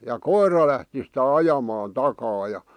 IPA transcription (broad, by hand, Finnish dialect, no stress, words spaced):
jɑ koirɑ læhti sitæ ɑjɑmɑːn tɑkɑː jɑ